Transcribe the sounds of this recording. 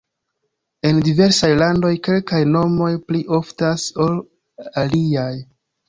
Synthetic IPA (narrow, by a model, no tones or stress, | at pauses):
e̞ndive̞ɾsajlando̞jke̞lkajno̞mo̞jpliʔo̞ftaso̞l | aliaj